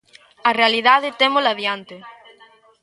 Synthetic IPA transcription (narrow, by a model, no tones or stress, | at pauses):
ɐrealiðaðɪt̪emolaðjant̪e